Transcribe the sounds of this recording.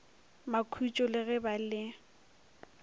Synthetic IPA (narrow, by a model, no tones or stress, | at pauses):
makʰut͡ʃʼɔlɪɣɛbalɪ